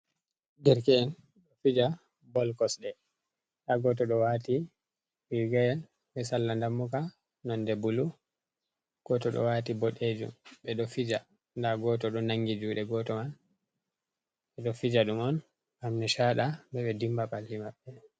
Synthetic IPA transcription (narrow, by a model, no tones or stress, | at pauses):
dɛɾkɛːn | ɗɔfid͡ʒa | bɔlkɔsɗɛ | taɡɔtɔɗɔwati | bilɡɛl | ɓɛsalːandamːuka | nɔndɛbulu | ɡ̥ɔtɔɗɔ̰waːtibɔɗed͡ʒṵmɓɛɗɔfid͡ʒa | ndaɡɔtɔɗɔnaŋɡid͡ʒuɗɛɡɔtɔmal | ɓɛɗɔfid͡ʒaɗumɔn | hamnɛʃaɗambɛɓɛdimbapalːimaɓːɛ